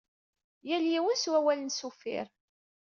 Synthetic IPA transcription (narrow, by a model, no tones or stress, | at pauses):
jæljiwənswæwælənsufɪ̰ɾ